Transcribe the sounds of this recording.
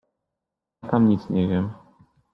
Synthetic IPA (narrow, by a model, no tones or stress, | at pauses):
t̪amɲit̪sɲɛvʲjɛm